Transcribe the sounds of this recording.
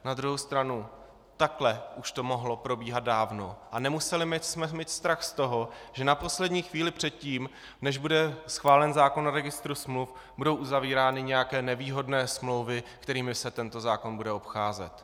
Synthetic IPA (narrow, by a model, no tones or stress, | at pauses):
nad̪ɾuɦowst̪ɾanu | t̪aklɛʔuʃt̪o̞mo̞ɦlo̞pɾo̞biːɦad̪̚daːvnoʔanɛmusɛlɪmɛsmɛmiːt̪st̪ɾaxst̪o̞ɦo̞ʒ̥ɛnapo̞slɛdɲiːxviːlɪpr̝̥ɛt̪̚ciːm | nɛʒbudɛsxvaːlɛnzaːko̞naɾɛɡɪst̪ɾusmluf | budo̞wʔuzaviːɾaːnɪɲɛjakɛːnɛviːɦo̞dnɛːsmlo̞wvɪkt̪ɛɾiːmɪsɛt̪ɛnt̪o̞zaːko̞nbudɛo̞pxaːzɛ̰t̪